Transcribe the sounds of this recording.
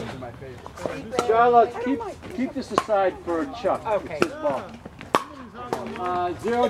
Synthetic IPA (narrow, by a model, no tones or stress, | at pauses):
t͡ʃaɪlɑskʰip̚kʰip̚ðɪsɨsaɪd̥fə˞ɨt͡ʃʰʌkwɨɪsbɔ | zɪɹoʊ